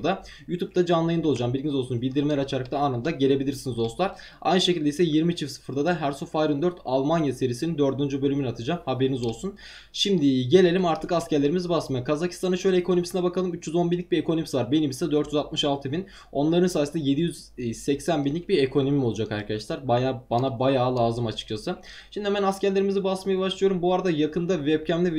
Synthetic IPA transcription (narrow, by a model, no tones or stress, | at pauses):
d̪a | jut̪ʰup̚t̪ʰad͡ʒanlˠajɯnd̪aoud͡ʒambilʲɟinizosunbilʲd̪iɾmelʲɛɾat͡ʃʰaɾɯkt̪ʰaaːnɯnd̪aɟe̞lʲe̞bilʲiɾsinizo̞slˠaɾ | a̰jnɯʃe̞cilʲd̪eisɛjiɾmit͡ʃʰifsɯ̥fɯɾd̪ad̪aɦæɾsofajɾɯnd̪øɾt̪ʰalˠmanjase̞ɾiːsinind̪ø̞ɾd̪ynd͡ʒybø̞lʲyminat̪ʰɯd͡ʒamhabe̞ɾinizo̞lˠsun | ʃimd̪ɪɟe̞lʲe̞lʲimaɾt̪ʰɯkascæɾlʲeɾimizibasmajakʰazakʰi̥st̪ʰanɯnʃø̞jlʲɛekʰoo̞misinɛbakʰalˠɯmyt͡ʃːjyzo̞nbinʲic̚biɾekʰoo̞misivaɾbe̞nimisɛd̪øɾt̪jyzat̪̚mɯʃalˠt̪ʰɯbin | o̞nlˠaɾɯnsaːjsind̪aje̞d̪ijyz̥ | sɛcsænbinlʲic̚biɾekʰo̞no̞mio̞lˠud͡ʒakaɾkʰad̪aʃlˠaɾbajabanabajaːlˠaːzɯmat͡ʃʰɯ̥k̚t͡ʃʰasɯ | ʃimd̪ihɛmænascæɾlʲeimizibasmajabaʃlˠɯjo̞ɾumbuvaɾad̪ajakʰɯnd̪avɛp̚cʰæmlʲiv